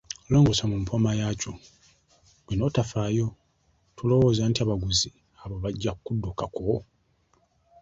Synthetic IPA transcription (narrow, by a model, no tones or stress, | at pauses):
loːŋɡosamumpʰo̞majaːco | βino̞tafaːjo̞ | tulo̞wo̞ːzantiaβaɡuzi | aβo̞βaɟːakkudːukako